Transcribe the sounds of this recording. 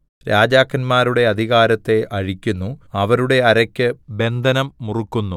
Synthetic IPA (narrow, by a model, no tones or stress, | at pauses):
ɾaːd͡ʑaːkʰːɐnmaːɾuɽe̞ɐd̪ʱiɣaːɾɐt̪ːe̞ʔɐɻikʲːunːuɐʋɐɾuɽe̞ɐɾɐkʲːɨbe̞nd̪ʱɐnɐmːurukːunːu